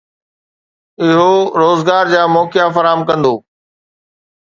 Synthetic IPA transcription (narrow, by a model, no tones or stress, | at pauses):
ɪɦoɾoːzɡaːɾd͡ʑaːmɔːkjafɐɾaːɦəmkɐ̃nd̪oː